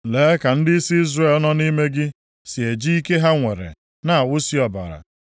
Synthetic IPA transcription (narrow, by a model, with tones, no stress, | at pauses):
leː˨˦ka˨n̩˦dɪ˦si˦i˦zre˦˨lɔ˦nɔ˦ni˦me˦ɡɪ˦ | si˨e˨d͡ʒi˦i˦ke˦ɦa˦ŋʷe˨ɾḛ˨ | na˨a˨wʊ˦si˦ɔ˨ba̰˨ɾa̰˨